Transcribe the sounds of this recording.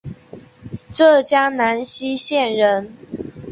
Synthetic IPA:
ʈ͡ʂɤ˥˩t͡ɕja˥ŋna˧˥nɕi˥ɕjɛ˥˩nɻə˧˥n

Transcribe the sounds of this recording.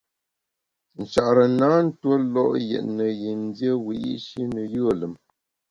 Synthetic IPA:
n̩˨t͡ʃa˨ʔɾə˨na˨˦n̩˦two˦lɔ˦ʔjɛ̰˨ʔnə˨ji˨n˦djə˦wi˨ʔḭ˦ʔʃi˦nə˨jə˦ə˨lə˨m

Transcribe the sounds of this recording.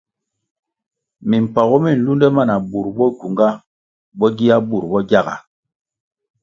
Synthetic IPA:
mi˨m̩˨pa˨ɣɔ˦mi˦˨n̩˨lu˦ndɛ˦ma˦˨na˨bu˨ɾbɔ˦ku˨ŋɡa˦ | bɔ˦ɡi˦a˦bu˨ɾbɔ˦ɡʲja˦˨ɡa̰˨

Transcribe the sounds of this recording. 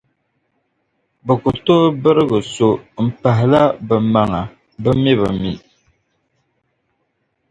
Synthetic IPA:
bɨ˨ku˨to˦bɨ˦ɾɨ˦ɣɨ˨so˨m̩˨pa˨ɦɪ˨la˦bɛ˨ma˨ŋa˨ | bɨ˦mi˦βɨ˨mḭ˨

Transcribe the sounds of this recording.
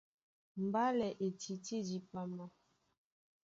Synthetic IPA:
m̩˨ba˦lɛ˨ʔe˨ti˨ti˦di˨pa˦ma˦

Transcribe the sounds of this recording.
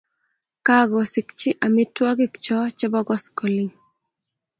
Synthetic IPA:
ka˦ɡɔ˨sɪ˨kt͡ʃɪ˦ʔa˨mɪ˦twɔ˦ɡɪ˦kt͡ʃɔ˦t͡ʃɛ˦bɔ˦ɡɔ˦skɔ˨li˦ŋ

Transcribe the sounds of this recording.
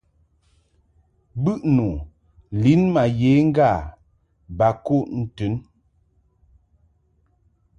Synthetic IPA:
bʉ˦ʔnu˨ | li˨˦nma˨je˨˦ŋ̩˦ɡa˦˨ | ba˨ko˦˨ʔn̩˨tʉ˨˦n

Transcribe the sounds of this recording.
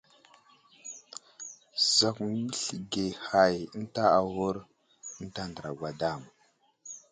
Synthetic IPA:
za˨kmə˦ɬi˨ɡe˨ha˨jə˦n˦ta˦a˨wu˦ɾ | ə˦n˦ta˦ndə˨ɾa˨ɡwa˨da˦˨m

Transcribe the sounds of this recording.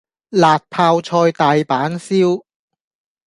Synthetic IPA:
laː˨t̚pʰaː˧wt͡ʃʰɔː˧jt̪aː˨jpaː˨˥nsiː˥w

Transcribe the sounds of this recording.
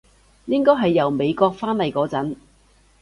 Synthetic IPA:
jɪ˥ŋkɔː˥jɦɐ˨jːɐ˨wme˨˧jkɔː˧k̚faː˥nlɐ˨jkɔː˨˥t͡sɐ˨˥n

